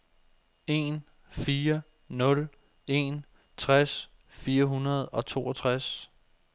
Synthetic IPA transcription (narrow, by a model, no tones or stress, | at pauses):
e̝n | fiːɐ | nɔ̽l | e̝n | t͡sʰʁas | fiːɐɦunɐð̞̩ˠɒ̽t͡sʰo̝̰ːɒt͡sʰʁas